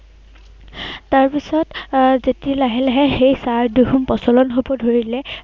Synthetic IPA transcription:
taɹpisɔtzetilaɦɛlaɦɛxejsaɹduɦumpɔsɔlɔnɦobɔdʱoɹilɛ

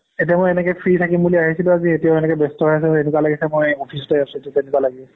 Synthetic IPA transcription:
etiamojɛnɛkɛpʰɹitʰakimbuliaɦisilʊ̃azietiaʊenɛkɛbestɔɦojas̬ɛenukwalaɡisɛmojopʰisɔ̥tɛasututenɛkuwalaɡibɛ

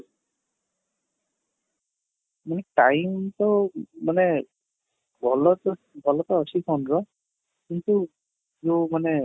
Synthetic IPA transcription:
manɛʈajmt̪ɔmane | bʱɔlɔt̪ɔ | bʱɔlɔt̪ɔːsipʰawnɹɔ | kint̪u | zomane

